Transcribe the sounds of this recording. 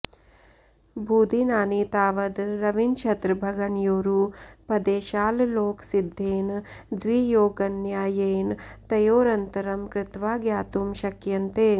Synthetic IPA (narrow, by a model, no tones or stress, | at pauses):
bʱuːd̪inaːnit̪aːʋɐd̪ɾɐʋint͡ʃʰɐt̪ɾbʱɐɡɐɳjoːɾupɐd̪eːʃaːlloːksid̪ʱːeːnd̪ʋiːjoːɡɐnjaːjeːnt̪ɐjoːɾɐnt̪ɐɾɐmkɾɪt̪ʋaːɡjaːt̪umʃɐkjɐnt̪eː